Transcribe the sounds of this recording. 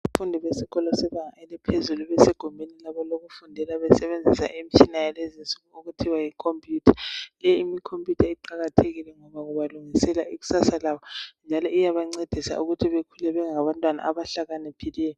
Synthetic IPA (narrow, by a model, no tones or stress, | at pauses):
fundʱiβesiɣɔlɔsɛβaŋaɛlɛpʰezuluβɛseɡ̥ʱumbʱenilaβɔloɣufundʱɛlaβɛsɛβend͡zʱisa̰ʔemit͡ʃʰʼinajalɛzinsʼuɣuuɣutʰiwajikʰompʰʼjutʰḁlɛimikʰompʰʼjutʰaiǃaɣatʰeɣilɛŋɔβaɣuβaluŋisɛlaʔiɣu̥sasalaβɔnd͡ʒʱalɔʔijaβaŋ͡ǀed̥ʱisa̰ʔuɣutʰiβekʰulɛβɛŋaβantʼwana̰ʔaβaɬaɣanɛpʰilɛːjɔ